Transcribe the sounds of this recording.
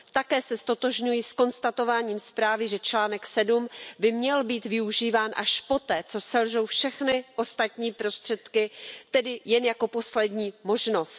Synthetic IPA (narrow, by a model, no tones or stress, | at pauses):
t̪akɛːsɛst̪o̞t̪o̞ʒɲujɪsko̞nst̪at̪o̞vaːɲiːmspɾaːvɪʒɛt͡ʃlaːnɛksɛdumbɪmɲɛlbiːt̪vɪuʒiːvaːnʔaʃpo̞t̪ɛːt͡so̞sɛlʒo̞wfʃɛxnɪʔo̞st̪at̪ɲiːpɾo̞st̪r̥ɛt̪kɪt̪ɛdɪjɛnjako̞po̞slɛdɲiːmo̞ʒno̞st̪